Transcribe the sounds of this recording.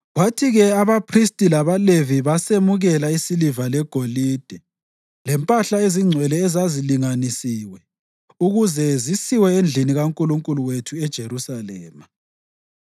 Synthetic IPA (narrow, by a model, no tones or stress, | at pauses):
ɣwatʰiɣɛaβapʰristʼilaβaleviβasemuɣɛlaisilivalɛɡ̥ʱoliːd̥ʱɛ | lɛmpʼaɬaeziŋ͡ǀʱwɛlɛːzaziliŋanisiːwɛ | uɣuzɛzisiwɛend͡ɮʱiniɣaŋkʼuluŋkʼuluwetʰuɛd̥ʒ̥ʱerusalɛ̰ːma